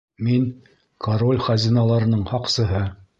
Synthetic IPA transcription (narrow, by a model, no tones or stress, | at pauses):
min | kʰɐɾo̞lʲχɑzʲinɑlˠɑɾɤ̆nɤɴhɑqsɤ̆ɦɤ